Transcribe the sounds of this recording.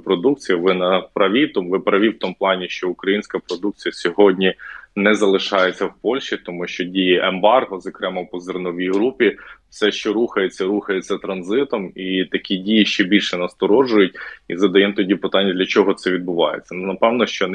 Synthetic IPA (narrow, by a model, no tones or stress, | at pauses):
pɾɔd̪uk̚t͡sʲijɐʋɪnɐpɾɐʋʲit̪ɔmʋɪpɾɐʋʲiwt̪ɔmuplˠɑnʲiʃt͡ʃɔʊkɾɐjinʲsʲkɐpɾɔd̪uk̚t͡sʲijɐsʲɔɦɔdʲnʲinɛzɐlˠɪʃɑjɛt͡sʲːɐwpɔlʲʃt͡ʃit̪ɔmuʃt͡ʃɔdʲijiʔɛmbɑrɦɔzɔkɾɛmɐwpɔzernɔʋʲijɦɾupʲifsɛʃt͡ʃɔɾuxɐjet͡sʲːɐɾuxɐjet͡sʲːɐt̪ɾɐnzɪt̪ɔmit̪ɐkʲidʲijiʃt͡ʃɛbʲilʲʃɛnɐst̪ɔɾɔʒʊjʊt̚ʲizɐd̪ɐjɛmt̪ɔdʲipɪt̪ɑnʲːɐd̪lʲɐt͡ʃɔɦɔt̪sɛʋʲid̪̚bʊʋɑ̰jḛt͡sʲːɐnnɐpɛwnɔʃt͡ʃɔn